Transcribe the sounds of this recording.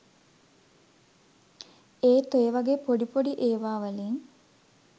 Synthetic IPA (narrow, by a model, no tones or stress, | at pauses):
eːt̪ojeʋaɡeːpoɖipoɖiʔeːʋaːʋəleŋ